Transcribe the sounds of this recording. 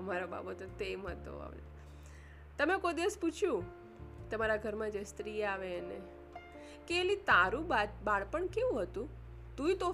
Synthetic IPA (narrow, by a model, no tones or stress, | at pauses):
əmaɾoba̰bət̪et̪emɦət̪o̰a̰m̰ | t̪əmekojd̪iʋəsput͡ʃʰjũ | t̪əmaɾaɡʱəɾmãd͡ʒəst̪ɾiaʋene | keːlit̪aɾũbad̪baɭpəɳkeʋũɦət̪ũ | t̪ũit̪o